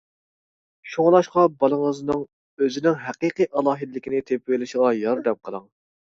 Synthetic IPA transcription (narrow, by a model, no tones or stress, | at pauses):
ʃoŋlˠɑʃqɑbɑlˠəŋəznɨŋ | øzɪnɪŋɦæqiqijʔɑlˠɑːɦɨd̪ɪlɪkʲinɪt̪ʰep̚welɪʃɪʁɑjɑɾd̪ɛmqʰəlˠəŋ